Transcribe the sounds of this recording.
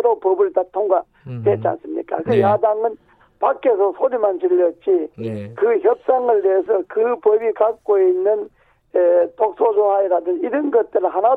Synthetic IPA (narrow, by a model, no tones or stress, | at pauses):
ɾopʌbɯɭtatʰoŋɡa | twet̚t͡ɕia̰ns͈ɯmɲḭk͈a̰kɯjadaŋɯn | pak͈ːesʰʌsʰoɾimant͡ɕiʎːʌt̚t͡ɕ͈ikɯçjʌp̚s͈aŋɯɭteesʰʌkɯpʌbikak̚k͈oinːɯn | etok̚sʰosʰohaiɾadɯniɾɯnɡʌt̚t͈ɯɾɯɭhana